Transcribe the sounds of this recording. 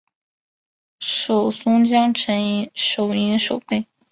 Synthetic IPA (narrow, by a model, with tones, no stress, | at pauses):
ʂo˨˩ʊsʊ˥ŋt͡ɕjɑ˥ŋʈ͡ʂʰə˧˥n˧˥ʂo˨˩ʊi˧˥ʂo˨˩ʊpe˥˩ɪ